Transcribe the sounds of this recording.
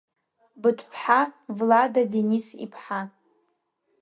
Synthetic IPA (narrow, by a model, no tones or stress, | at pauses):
bɨtʷʰʼpʰħavladadenisḭpʰħa